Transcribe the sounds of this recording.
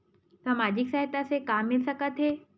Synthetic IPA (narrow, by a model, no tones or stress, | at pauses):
səmad͡ʑiksaɦet̪asekamːɪlsəkət̪ɦe